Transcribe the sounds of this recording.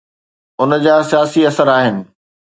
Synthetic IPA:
ʊnəd͡ʑaːsijaːsiɐsəɾaːɦɪnɪ̆

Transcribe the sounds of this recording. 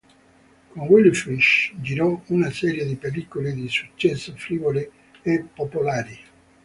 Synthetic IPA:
konwilfɾiʃd͡ʒiɾɔunasɛːɾjed̪ipelikoled̪isut͡ʃːɛsːofɾiːvole | epːopolaːɾi

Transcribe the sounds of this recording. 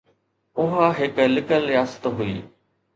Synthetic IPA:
ʊɦaɦɪklɪkəljaːst̪ɦuiː

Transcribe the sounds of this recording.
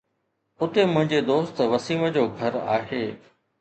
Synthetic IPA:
ʊt̪emʊ̃ɦɪ̃ɲd͡ʑed̪oːst̪ʋɐsiːməd͡ʑoːɡʱɐɾa̰ːɦeː

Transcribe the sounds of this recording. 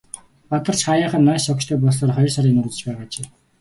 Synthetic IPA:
pɔt̪ɞ̆r̥t͡ɕχajaːχə̆nːæːsɔkt͡ɕt̪ʰœːp̬ɔɮsɔːrχɔjɞ̆rsaɾiːkŋnɵt͡ɕ̪ɘ̥̆t͡ɕpæːʁaːt͡ɕeː

